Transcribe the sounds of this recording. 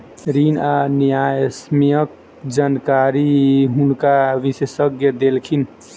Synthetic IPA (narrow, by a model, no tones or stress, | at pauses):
ɾinanijajsmijək̚ | d͡ʒankaɾiɦunkaʋisesəɡjəd̪elkʰin